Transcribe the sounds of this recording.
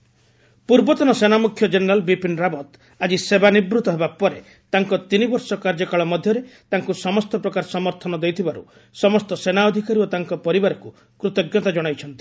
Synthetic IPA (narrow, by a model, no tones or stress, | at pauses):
puɾbɔt̪ɔnɔsenamukʰjɔd͡ʒeneɾalbipinɾabɔt̪ | ad͡ʒisebanibɾut̪ɔɦebapɔɾe | t̪aŋkɔt̪inibɔɾsɔkaɾd͡ʒɔkaɭɔmɔd̪ʱjɔɾet̪aŋkusɔmɔst̪ɔpɾɔkaɾsɔmɔɾt̪ʰɔnɔd̪ejt̪ʰibaɾṵ | sɔmɔst̪ɔsenaɔd̪ʱikaɾiot̪aŋkɔpɔɾibaɾɔku | kɾut̪ɔɡjɔt̪ad͡ʒɔɽ̃ajt͡ʃʰɔn̪t̪i̥